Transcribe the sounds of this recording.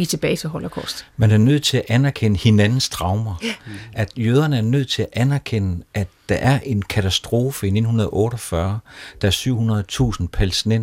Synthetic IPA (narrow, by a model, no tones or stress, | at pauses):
it͡sʰe̝b̥ɛːɪsʰeɦɒlɐkʰɒ̰sd̥mænæɐnøð̰ˠt͡sʰe̝læʔænæɐkʰenəhe̝nænn̩sd̥ʁɑ̈ʊmɐæd̥jøːð̞ˠɐnəæɐnøð̰ˠt͡sʰe̝læʔænæɐkʰenəʔædd̥ɑ̈ʔæɐʔe̝nkʰæt͡sʰæsd̥ʁo̝ːfəine̝dn̩hunɐð̞ˠɐʔɔ̽ːɾɒ̽fɶɐd̥ɑ̈æɐsyʊ̰hunɐðˠt͡sʰṵːsn̩pʰælsinen